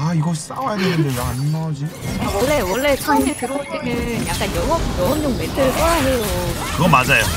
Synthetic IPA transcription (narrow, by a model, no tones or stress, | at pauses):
aiɡʌs͈awajad̪enɯnd̪eɾanːʌd͡ʑinawʌɭːewʌɭːe̞t͡ɕʰanɡiɭteɾoot͈enɯnjak͈anjʌŋʌbjʌŋʌmɲoŋmetʰɯk͈ʌɾaɦejokɯɡʌmad͡ʑajo